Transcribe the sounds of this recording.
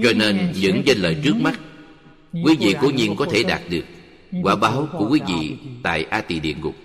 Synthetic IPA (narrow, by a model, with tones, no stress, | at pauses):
t͡ɕɔ˧ne˧nɲɨ̰˧˥ŋza˧nləː˨˩jt͡ɕɨ˦˥ək̚ma˦˥t̚ | kwi˨˦vḭ˧˨ko˧˦ɲi˧ənkɔ˨˦t̪ʰe˧˩ɗaː˨˩t̚ɗɨ˨˩ək̚ | kwaː˧˩wɓaː˨˦wku˧˩əkwi˨˦vḭ˧˨t̪a̰ː˧˨jʔaː˧t̪i˧˩ɗḭ˧˨ənɣʊ˨˩k͡p̚